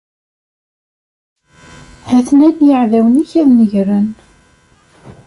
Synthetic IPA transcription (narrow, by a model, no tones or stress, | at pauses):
hæθnæd̪jəʕðæwəniçæðnəʝɾən